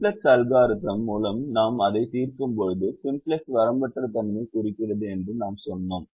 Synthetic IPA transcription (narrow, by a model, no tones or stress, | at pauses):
plɐsɐlɣaːɾɯt̪ːɐmːuːlɐmnaːmɐðɐɪt̪iːrkɯmpɔɻɯðɯsɪmplɐsʋɐɾɐmbɐʈrɐt̪ɐmnɐkʊrɪkːɪrɐðɯɛndrɯnaːmsɔnːoːm